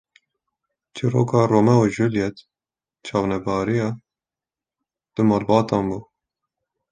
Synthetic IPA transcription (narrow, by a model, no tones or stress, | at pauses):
t͡ʃʰiɾo̰ːkɑːroːmɛuʒuljɛt̪ | t͡ʃʰɑːvnɛbɑːɾijɑː | d̪̥əmɑːlbɑːt̪ɑːnbuː